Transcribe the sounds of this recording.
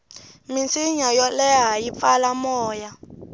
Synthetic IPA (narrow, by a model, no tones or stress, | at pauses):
mint͡siɲajɔlɛɦajip̪falamɔːja